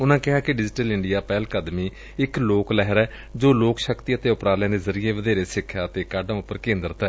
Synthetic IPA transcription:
ʊnãːkɪɦaːkɪɖɪd͡ʒʈəlɪɳɖijaːpɛːlkəd̪miː | ɪkloːklɛɦəɾɛː | d͡ʒoːloːkʃəkt̪iət̪eːʊpɾaːljãːd̪eːzəɾiːeːʋəd̪eːɾeːsɪkʰːjaːt̪eːkaːɖãːʊpːəɾkẽːnd̪əɾət̪ɛː

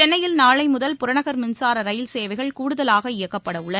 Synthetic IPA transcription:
ɛnːɐjɪlnaːɭɐɪmʊðɐlpʊɾɐnɐɣɐɾmɪnsaːɾɐɾɐjɪlseːʋɐɪɣɐɭkuːɽɯðɐlaːɣɐɪjɐkːɐpːɐɽɐʊɭɐ

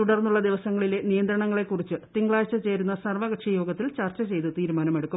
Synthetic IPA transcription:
uɽɐrnːuɭːɐd̪iʋɐsɐŋːɐɭile̞nijɐnd̪ɾɐɳɐŋːɐɭe̞kːurit͡ɕːɨt̪iŋɡɭaːjt͡ɕːɐt͡ɕe̞ːɾunːɐsɐrʋɐɣɐʈʂɐjo̞ːɡɐt̪ːilt͡ɕɐrt͡ɕɐt͡ɕe̞jt̪ɨt̪iːɾumaːnɐme̞ɽukːu

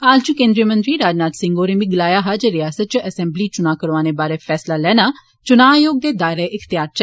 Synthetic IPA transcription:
aːlt͡ʃukẽːnd̪ɾiəmə̃nt̪ɾiːɾaːd͡ʒnaːt̪sɪ̃ŋɡoːɾeːmĩːɡəlaːjaːɦad͡ʒeɾɪjaːsət̪̚t͡ʃəʔəsɛ̃mbliːt͡ʃʊnãːkəɾʋaːneːbaːɾeːpʰɛːslaːlɛːnaː | t͡ʃʊnãːjoːɡ̚d̪eːd̪aːɪɾeːʔɪkʰt̪ɪjaːɾt͡ʃɛ

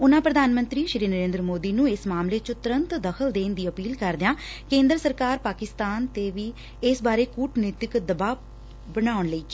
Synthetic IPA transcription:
ʊnãːpɾəd̪ʱaːnmə̃nt̪ɾiːʃɪɾiːnəɾẽːnd̪ɾəmoːd̪iːnũːɪsmaːmleːt͡ʃʊt̪ʊɾənt̪d̪əkʰəld̪eːnd̪iːəpiːlkəɾd̪ɪjãːkẽːnd̪ɾsəɾkaːɾpaːkɪst̪aːnt̪eːʋiː | ɪsbaːɾeːkuːʈnt̪jɪkd̪əbaː | bənaːʊɳləiː

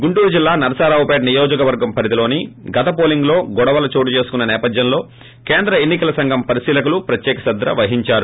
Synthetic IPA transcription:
ɡuɳʈuːɾud͡ʒilːaːnɐɾɐsaːɾɐwpeːɖnijoːd͡ʒɐkɐʋɐɾɡɐmpʰɐɾit̪ilo̞ːniɡɐt̪ɐpoːliŋɡlo̞ːɡɔɽɐʋɐlɐt͡ʃoːʈ̬ut͡ʃe̞ːsu̥kunːɐnɛːpɐd̪jɐnlo̞ː | keːnd̪ɾɐenːikɐlɐsɐŋɡʱɐmpɐɾisiːlɐkulupɾɐt̪jɛːkɐsɐd̪ɾɐ̰ʋɐɦiɲt͡ʃaːɾu

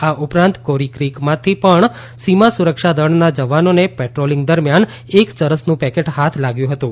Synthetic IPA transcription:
aʔupɾãnt̪koɾikɾikmãt̪ʰipəɳ | simasuɾəkʃad̪əɳnad͡ʒəʋanonepɛʈɾoliŋɡ̚d̪əɾmjan | ekt͡ʃəɾəsnũpɛkeʈhat̪ʰlaɡjũɦət̪ũ

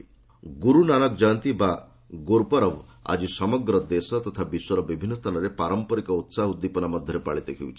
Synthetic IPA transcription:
ɡuɾunanɔk̚d͡ʒant̪iba | ɡoɾpɔɾɔba̰d͡ʒisɔmɔɡɾɔd̪esɔt̪ɔt̪ʰabiswɔɾɔbibʱinːɔst̪ʰanaɾepaɾɔmpɔɾikɔut̪saɦud̪ːipɔnamɔd̪ʱjɔɾepaɭit̪ekʰḭwt͡ʃʰ

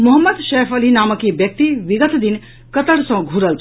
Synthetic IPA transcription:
mʊɦəmːəd̪ʃeːfʰəlinaːməkibjək̚t̪iʋiɡət̪ʰd̪in | kət̪əɽsɐ̃ɡʱuɾəlt͡ʃʰ

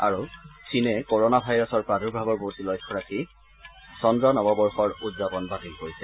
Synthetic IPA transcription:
a̰ɹusʰinɛkɔɹonabʱajɹɔsɔɹpɹaduɹbʱabɔɹbotilɔjkʰːɔɹaki | sɔndɹɔnɔbɔbɔɹxɔɹudzapɔnbatilkoɹisɛ

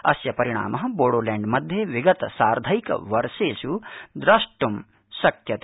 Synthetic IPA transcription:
ɐ̰sjɐpɐɾiɽ̃a̰ːmʔɐɦɐ̆boːɽoːleːɳɖmɐd̪ʱjeʋiɡɐt̪ɐsaːɾd̪ʱɐjkɐ̰ʋɐɾʃeːʃud̪ɾɐʂʈum | sɐkjɐt̪e

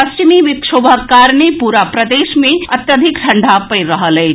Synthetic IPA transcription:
ɐst͡ʃimiʋɪkʃoːbʱəkːaːɾnepuːɾapɾɐd̪eːʃmẽɐt̪jəd̪ʱɪkʈʰɐ̃ɳɖʱapɐɾɐɦəlɦɛː

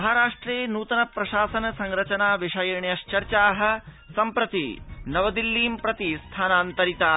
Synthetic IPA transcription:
ɐɦaɾaːʂʈɾeːnuːt̪ɐnɐpɾɐʃaːsɐnɐsɐŋɾɐt͡ʃɐnaːʋiʂɐjɾɳjɐʃt͡ʃɐɾt͡ʃaːɦɐ̆ | sɐmpɾɐt̪ḭnɐʋɐd̪ilːiːmpɾɐt̪ist̪ʰaːnaːnt̪ɐɾit̪aː

